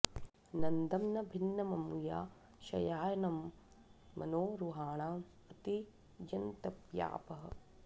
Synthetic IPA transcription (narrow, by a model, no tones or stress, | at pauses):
nɐnd̪ɐmnɐbʱinːɐmɐmuja̰ː | ʃɐ̰jaːjɐnɐmː | ɐ̰noːɾuɦaːɳaː | ɐt̪i | d͡ʒɐnt̪ɐpja̰ːpɐɦɐ̰̆